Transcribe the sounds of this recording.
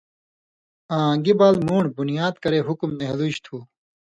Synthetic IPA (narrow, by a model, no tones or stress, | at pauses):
ãːɡibaːlmuːɳɖbunijaːd̪kɐɾeːɦukumneɦluɕt̪ʰuː